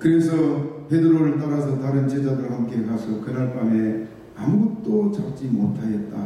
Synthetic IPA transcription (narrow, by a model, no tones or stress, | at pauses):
kɯɾe̞sʰʌpʰe̞dɯɾoɾɯɭt̬͈aɾasʰʌtaɾɯnt͡ɕed͡ʑadɯɭhamk͈e̞kasʰʌkɯɾaɭp͈ame̞ | amɡuk̚t͈ot͡ɕak̚t͡ɕ͈imotʰaɡet̚t͈a